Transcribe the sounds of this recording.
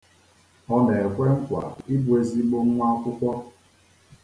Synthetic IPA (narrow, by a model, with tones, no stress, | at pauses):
ɔ˦ne˨e˨kʷe˦ŋ̩˦kʷa̰˨i˦bu˨e˦˨zi˦ɡ͡bo˦n˦ŋʷa˦kʷʊ˦kʷɔ˦